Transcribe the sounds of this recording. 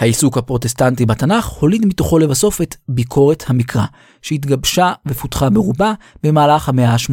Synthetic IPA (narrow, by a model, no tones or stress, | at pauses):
haisukhapʁo̞te̞stantibatanaχho̞lidmito̞χo̞levaso̞fe̞tbikʰo̞ʁe̞thamikʁa | ʃehit̪ɡabʃavefutχabeʁuba | b̥e̞maːlaχhameaaʃmo